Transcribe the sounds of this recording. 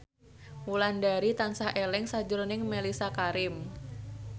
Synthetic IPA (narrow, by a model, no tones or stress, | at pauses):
wulandaɾit̪ansahʔelɪŋsad͡ʒʊɾnɪŋmelisakaɾɪm